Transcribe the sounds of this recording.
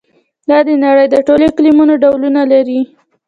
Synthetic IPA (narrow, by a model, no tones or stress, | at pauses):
d̪ɑd̪ənaɽəjd̪əʈoleklimunoɖawlunalaɾi